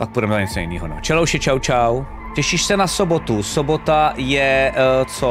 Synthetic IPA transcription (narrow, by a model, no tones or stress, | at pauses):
pak̚pudɛmɛɲɛt͡sojɪnḭːɦonɛ̰t͡ʃɛlowʃɛt͡ʃawt͡ʃaw | cɛʃiʃsɛnasobot̪usobot̪ajɛt͡so